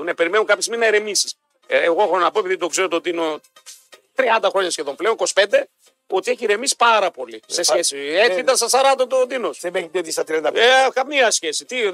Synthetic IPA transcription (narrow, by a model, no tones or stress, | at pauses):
nepe̞ɾimenukɐpçesiminɐeɾe̞misi̥s | eɣoexonɐpo̞e̞piðit̪o̞kze̞ɾot̪od̪ino | t̪ɾiɐnd̪ɐxɾo̞ɲɐsçe̞ðo̞mple̞oniko̞si̥pe̞nd̪e̞ | o̞t̪ieçiɾe̞misi̥pɐɾɐpo̞lisesçesieit̪ɐnsɐsɐɾɐt̪ot̪od̪inosemeid̪et̪ist̪ɐt̪ɾiɐnd̪ɐekɐmiɐsçe̞sit̪i